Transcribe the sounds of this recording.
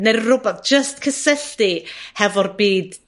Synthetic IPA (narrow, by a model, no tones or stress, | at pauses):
nerrʊbɛθd͡ʒ̥əst̚kʰəsɛɬtihɛvɔrbiːd